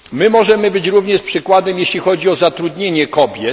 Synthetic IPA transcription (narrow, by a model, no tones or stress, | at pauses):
mɘmɔʐɛmɘbɘt͡ɕɾuvɲɛʂpʂɘkwad̪ɛmjeɕlʲixɔd͡ʑiɔzat̪ɾud̪ɲeɲɛkɔbʲjɛt̪